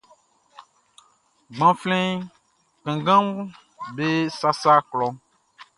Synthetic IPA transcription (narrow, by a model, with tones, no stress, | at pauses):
ɡ͡bã˨flɛ̃˦ | kẽ˨ɡã˦m | be˦sa˦sa˦klɔ˦